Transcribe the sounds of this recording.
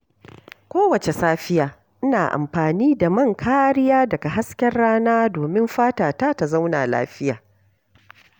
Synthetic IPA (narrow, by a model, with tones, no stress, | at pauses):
kʷoː˦wɐ˨t͡ʃe˨saː˦ɸɪ˦jaː˨ | ʔɪ˦naː˨ʔa̰˨mɸaː˨niː˦da˨mɐ˦˨ŋkʰaː˦ɾɪ˦jaː˦dɐ˨ka˨ɦa˦skʲɛ˦rɽaː˦naː˦doː˨mɪ˦mɸaː˦taː˨taː˦ta˨za˦wna̰ː˨la̰ː˦ɸɪ˦ja̰ː˨